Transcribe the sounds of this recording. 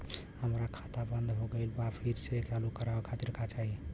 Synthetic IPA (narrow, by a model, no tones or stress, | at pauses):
həmɾakʰat̪abənd̪ʱɦoɡelbapʰiɾsekalukəɾakʰat̪iɾkʰat͡ʃaɦi